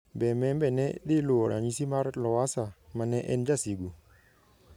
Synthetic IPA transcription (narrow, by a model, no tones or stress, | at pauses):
mbɛmɛmbɛnɛɗiluɔɾa̰ɲisimaɾlɔwasamanɛʔɛ̰nd͡ʒasiɡu